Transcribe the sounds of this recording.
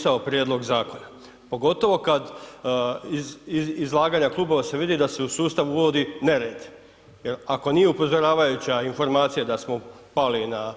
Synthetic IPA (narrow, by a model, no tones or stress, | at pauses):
saopɾjeːd̪lo̞ɡzaːko̞na | po̞ɡo̞t̪o̞ʋo̞kad̪ | izlˠaːɡaːɲaklˠuːbo̞ʋase̞ʋid̪id̪ase̞usuːst̪aʋuʋo̞d̪ine̞ɾeːd̪i̥ | jeɾako̞nije̞upo̞zo̞ɾaːʋajut͡ɕainfo̞ɾmaːt̪sijad̪asmo | palina